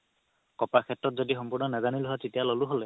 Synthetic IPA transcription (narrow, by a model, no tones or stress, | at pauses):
kɔpakʰetɹɔt̚zɔdixɔmpuɹnɔnazaniluɦatitijalɔluɦole